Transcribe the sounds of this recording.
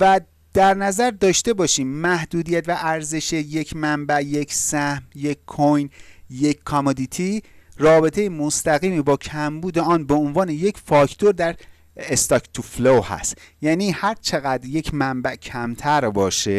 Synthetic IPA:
væ | d̪̥æɾnæzæɾd̪ɒːʃt̪e̞bɒːʃiːmːæhd̪uːd̪ijæt̪væʔæɾze̞ʃeje̞cʰmæmbæʔje̞kʰsæhmje̞kʰːojnje̞ckʰɒmod̪it̪ʰirɒːbe̞t̪ʰe̞jemo̞st̪æɣiːmibɒːcʰæmbuːd̪eɒːnbe̞onvɒːne̞je̞cʰfɒːcʰt̪ʰo̞ɾd̪æɾ | est̪ɒkt̪ʰuflohæ̰st̪jæːniːhæɾt͡ʃʰe̞ɣæd̪ɾje̞cmæmbæʔcʰæmt̪ʰæɾbɒːʃe

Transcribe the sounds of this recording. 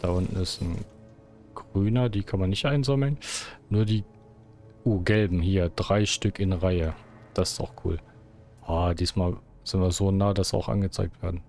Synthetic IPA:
d̥aʔʊntn̩ɪstn̩ | ɡ̥ʁ̥yːnɐdiːkʰanmanːɪçtʔaɪnzɔml̩nnuːɐdiː | ʔuːɡɛlbm̩hiːɐdʁaɪʃtʏkʰɪnʁaɪə | d̥asɪ̥sta̰ʊxkʰṵːl | aːdiːsmaːl | z̥ɪnvaɐzoːnaːdasa̰ʊxʔa̰nɡət͡saɪk̚tv̥eːɐdn̩

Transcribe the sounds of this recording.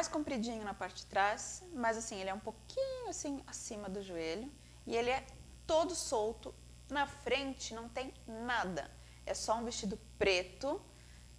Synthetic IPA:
majskõmpɾid͡ʒĩɲʊnɐpaɾt͡ʃt̪ɾasmɐzasĩelɪɛũpokʰĩɲʊasĩasĩmɐd̪ʊʒueʎʊ | ɪelɪɛt̪od̪ʊsowt̪ʊ | nɐfɾẽnt͡ʃɪnɐ̃w̃t̪ẽj̃nad̪ɐ̰ | ɛsɔũvest͡ʃid̪ʊpɾet̪ʊ

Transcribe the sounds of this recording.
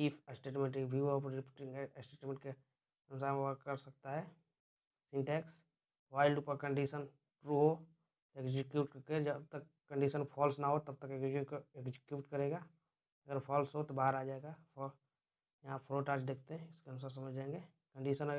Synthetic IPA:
iːpsʈeːʈmẽɳʈ̬ɪbʱiʋopɾɾɪpːʈɪ̃ŋɡsʈeːʈmẽɳʈke | ɐnʊsaːɾmeʋəkkɐɾsɐk̚t̪aɦɛː | sɪ̃ɳʈɛːks | ʋaːɪlɖupəɾkə̃ɳɖiʃən | ʈɾuːɦo | eɡzɪkjuːʈked͡ʒəb̚t̪əkːə̃ɳɖiːʃənpʰɔːlsnaɦot̪ɐb̚t̪əkeɡzɪkjuːʈkɐɾeːɡa | ɐɡəɾpʰɔːlsɦot̪obaːəɾaːd͡ʒaːeɡapɔ | jɐɦapʰɾoːʈaːt͡ʃd̪eːkʰt̪eɦɛ̃ɪskeɐnʊs̬aːɾsɐməd͡ʒʱd͡ʒãːẽŋɡe | kə̃ɳɖiːʃənə

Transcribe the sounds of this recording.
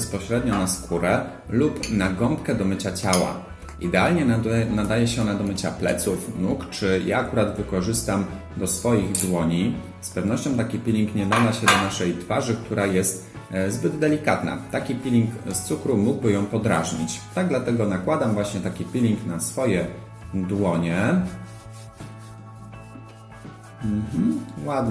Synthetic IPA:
spɔɕɾɛd̪ɲɔnaskʰuɾɛ | lupnaɡɔmpkɛd̪ɔmɘt͡ɕat͡ɕawa̰ | id̪ɛalɲɛnad̪ajɛɕɛɔnad̪ɔmɘt͡ɕaplɛ̰t̪sufnukt͡ʂɘja̰ːkuɾad̪vɘkɔʐɘst̪am | d̪ɔsfɔjiɣd̪wɔɲi | spɛvnɔɕt͡ɕɔ̃w̃t̪akʲipʲilʲiŋkɲɛd̪ad̪aɕɛd̪ɔnaʂɛjt̪faʐɘkt̪ʰuɾajɛst̪ | zbɘd̪d̪ɛlʲikat̪na̰t̪akʲipʲilʲiŋkst̪sukɾumuɡ̚bɘjɔ̃w̃pɔd̪ɾa̰ʐɲit͡ɕt̪aɡ̚d̪lat̪ɛɡɔnakwad̪amvwaɕɲɛt̪akʲipʲilʲiŋknasfɔjɛ | d̪wɔɲɛ | m̩m̩wad̪n

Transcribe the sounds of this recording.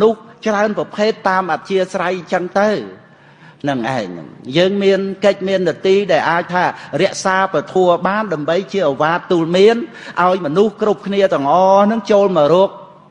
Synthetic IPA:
nʊht͡ɕraənprɑpʰeːt̪ːaːmʔat̪̚t͡ɕiəsrajɲt͡ɕəŋt̪ɨw | nɨŋʔa̰ɛŋjəːŋmiənkəc̚miənːɨət̪iːɗaɛlʔaːc̚t̪ʰaːrɛ̆əʔsaːprɑt̪ʰuəɓaːnɗaəmɓəjt͡ɕiəʔɔʋaːt̪ːuːlmiən | ʔaɔjmɔnuhkrup̚kʰniət̪ɨ̆əŋʔɑːnɨŋt͡ɕoːlmɔːɾʊək̚

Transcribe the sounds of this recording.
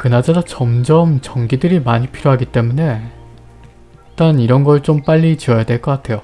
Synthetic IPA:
kɯnad͡ʑadat͡ɕʌmd͡ʑʌmt͡ɕʌŋɡidɯɾimaɲipʰiɾjoɦaɡit͈e̞mune̞ | it͈aniɾʌnɡʌt͡ɕ͈omp͈aʎːit͡ɕiʌjadwe̞ɭk͈ʌk͈atʰe̞jo

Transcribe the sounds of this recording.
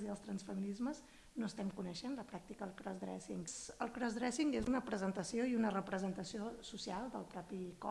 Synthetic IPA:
ziəlˠst̪ɾənsfəminizməz | noəst̪ɛmkunəʃenləpɾak̚t̪ikəðəlˠkɾɔzd̪ɾɛ̰sḭŋsəlˠkɾɔzðɾɛsiŋɡezunəpɾəzənt̪əsioiunərəpɾəzənt̪əsiosusialˠd̪ə̰lˠpɾɔpikɔ̰

